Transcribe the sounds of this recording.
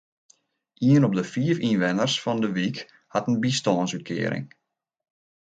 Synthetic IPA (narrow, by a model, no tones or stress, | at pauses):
ʔiənɔp̚dəfiəfinʋɛnərsfɔndəʋik | hatənbistɔənsyt̚kʰɪ̰ːəɾɪ̰ŋ